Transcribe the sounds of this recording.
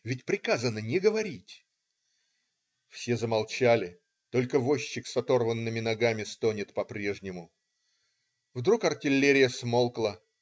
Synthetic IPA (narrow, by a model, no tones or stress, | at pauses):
vʲɪtʲpɾʲɪkazənənʲɪɡəvɐɾʲitʲ | fsʲe̞zəmalˠt͡ɕalʲɪ | t̪o̞lʲkəvoɕːɪksɐt̪o̞rvənːɨmʲɪnɐɡamʲɪst̪onʲɪt̪pɐpɾʲeʐnʲɪmʊ | vd̪ɾukɐrtʲɪlʲːeɾʲɪjəsmo̞lˠklˠə